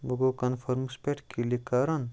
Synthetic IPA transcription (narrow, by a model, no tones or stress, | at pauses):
boɡokɐnfʰɐɾmspeʈkʰilikaɾɐn